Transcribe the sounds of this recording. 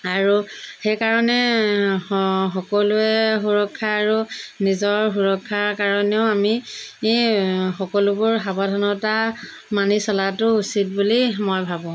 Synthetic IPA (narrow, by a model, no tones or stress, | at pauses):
aɹuxejkaɹɔnɛ | xɔkɔlʊɛxuɹɔkʰːaːɹunizɔɹxuɹɔkʰːaɹkaɹɔnɛʊami | xɔkɔlʊbʊɹxabadʱɔnɔta | manisɔlatʊusit̚bulimojbʱabɔ̃